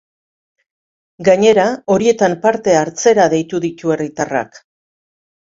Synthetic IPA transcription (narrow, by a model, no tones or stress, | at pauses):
ɡaɲe̞ɾao̞ɾie̞t̪ampaɾt̪e̞aɾt͡se̞ɾaðe̞jt̪uðit̪ue̞rit̪ara̰k